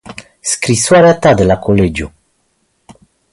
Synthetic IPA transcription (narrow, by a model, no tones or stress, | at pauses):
skɾiswaɾat̪ad̪lakoled͡ʑu